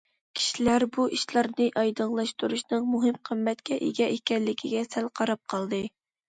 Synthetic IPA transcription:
kʲʰi̥ʃilæɾbuʔiʃlˠɑɾnɨʔɑjd̪əŋlˠɑʃt̪uɾuʃnɨŋmuɦɨmqʰəmːɛt̪kʲɛʔeɡʲɛʔekʲɛllːɪkʲʰiɡʲɛsælqʰɑɾɑp̚qʰɑlˠd̪ɨ

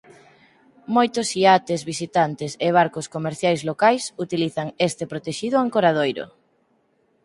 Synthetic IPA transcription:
mojt̪ʊsiat̪ezβisit̪ant̪eseβ̞aɾkoskomeɾθjajzlokajsut̪iliθaŋest̪epɾot̪eʃiðʊaŋkoɾað̞ojɾʊ̰

